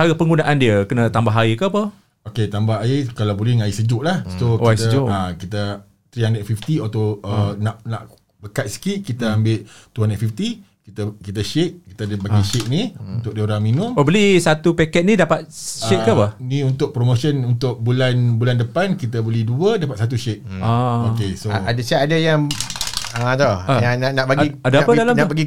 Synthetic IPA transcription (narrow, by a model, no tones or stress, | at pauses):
t͡ʃaɣəpəŋɡunaʔandiəkənə̃t̪ambaɦaikəapə | oket̪ambaɦaikalawbolɪŋaisəd͡ʒʊʔlahokiast̪əd͡ʒʊʔakit̪ə | t̪ɾiaŋnɛt̪̚fift̪iot̪oənaʔnaʔ | bəkat̪̚sə̥kiʔkit̪əambɪʔt̪uɦanɛt̪̚fift̪i | kit̪əkit̪əʃeʔ̚ki̥t̪adəbaɡiʃeʔ̚niunt̪ʊʔ̚deoɾaŋminʊmpabəlisat̪upɛkɛt̪̚nidapat̪̚ʃeʔkapahniunt̪ʊʔ̚pɾomoʃənunt̪ʊʔ̚bulanbulandəpankit̪əbəliduədapat̪̚sat̪̬uʃeʔ̚aokesoadəʃɛʔadajaŋ | ət̪oajaŋnaʔnaʔbaɡiadaapədalamabaɡi